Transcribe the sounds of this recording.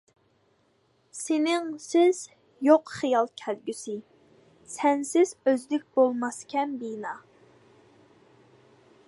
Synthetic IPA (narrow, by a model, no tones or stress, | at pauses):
senɪŋsɪz̥ | joqχijɑlˠkʲʰælɡʲysɪ | sɛnsɪz̥øzd̪ɪk̚ʲbolˠmɑskʲʰɛnbinɑ